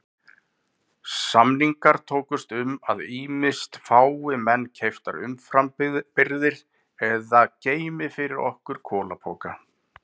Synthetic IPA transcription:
samniŋkaɾ̥t̪ʰoːwkʏst̪ʏmaðiːmɪst̪faːwɪmɛnːcʰejft̪aɾʏ̰mfɾampɪɾðɪɾ̥ | ɛðaceːjmɪfɪɾɪɾɔ̰hkʏɾ̥kʰɔːlapʰɔːka

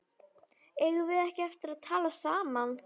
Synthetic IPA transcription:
eːjɣʏvɪðɛhcɪaft̪ɪɾaðt̪ʰaːlasaːman

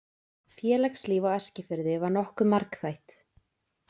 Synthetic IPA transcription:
fjɛːlɛjksliːvawɛr̥scɪfɪɾðɪvaɾnɔhkʏmaɾkθajht̪

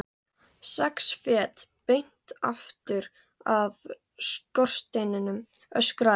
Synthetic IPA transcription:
sɛksfɛːt̪pejn̥t̪a̰ft̪ʏɾ | av | skɔr̥st̪ejnɪnʏm | œskɾa

